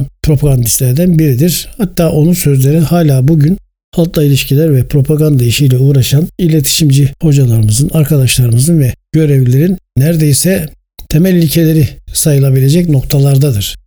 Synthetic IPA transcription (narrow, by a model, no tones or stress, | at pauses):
pʰɾo̞pʰaɡand̪ist̪lʲæɾd̪ænbiɾid̪iɾ̥hat̪ʰːaːʔo̞nunsø̞zlʲe̞ɾinhaːlʲaːbuɟyn | halˠt̪lˠailʲiʃcʰilʲæɾvɛpʰɾo̞pʰaɡand̪aiʃijlʲɛuːɾaʃanilʲe̞t̪ʰi̥ʃimd͡ʒiho̞d͡ʒalˠaɾɯmɯzɯnaɾkʰad̪aʃlˠaɾɯmɯzɯnvɛɟ̥ø̞ɾevlʲeɾinnæɾd̪e̞jisɛ | t̪ʰemælʲilʲcʰe̞lʲe̞ɾisajɯlˠabilʲe̞d͡ʒɛcno̞k̚t̪ʰalˠaɾd̪ad̪ɯɾ̥